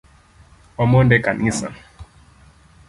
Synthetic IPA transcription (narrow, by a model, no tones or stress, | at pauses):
ɔmondɛkanŋisa̰m